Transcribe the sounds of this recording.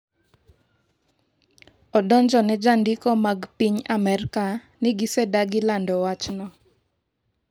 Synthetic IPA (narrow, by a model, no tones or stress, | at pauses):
ɔdɔɲd͡ʒɔnɛd͡ʒandɪkɔmaɡpiɲamɛɾka | nɪɡɪsɛdaɡɪlandɔwat͡ʃnɔ